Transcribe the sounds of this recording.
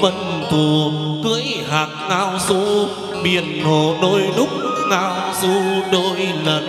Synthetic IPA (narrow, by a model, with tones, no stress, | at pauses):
və˧nt̪u˨˩kɨ˧əjhaː˨˩k̚naː˧wsu˧ | ɓi˨˧˩ənŋo˧˨˩ɗo˧jlʊ˦˥k͡p̚naː˧w | zu˧ɗo˧jlə˨˩n